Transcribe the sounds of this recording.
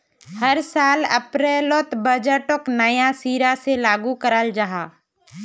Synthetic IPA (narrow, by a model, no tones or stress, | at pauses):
hɐɾsaːlɐ̰pɾɛːloːt̪bəd͡ʒəʈoknəjasiːɾaselaːɡukəɾəld͡ʒaɦaː